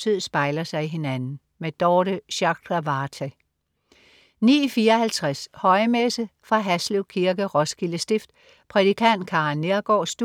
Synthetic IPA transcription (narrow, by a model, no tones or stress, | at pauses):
t͡sʰið̰ˠsb̥ɑ̈ɪlɐsɑ̈ɪiɦe̝nænn̩ | med̥ɒːɾəɕɑ̈ɡ̥ʁæʋɑːt͡sʰɛ | nḭːfiːɐɒhælt͡sʰʁashɒ̽ɪmesəfʁɑ̈ɦæsleʊkʰiɐɡ̥əʁɒ̽sɡ̥iləsd̥e̝fd̥ | pʰʁɛð̥ikʰæn̰d̥̚kʰɑ̈nːeɐɡ̥ɒ̰ːsd̥